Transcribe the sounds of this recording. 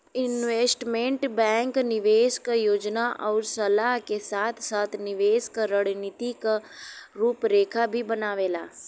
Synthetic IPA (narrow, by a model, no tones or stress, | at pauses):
ɪnʋeːsʈmẽɳʈbɛ̃ːŋknɪʋeːʃkjoːd͡ʒnaʔɔːɾsɐlaːɦkesaːt̪ʰsaːt̪ʰnɪʋeːʃkɾəɽnɪt̪ikaɾuːpɾeːkʰabʱibɐnaːʋeːlaː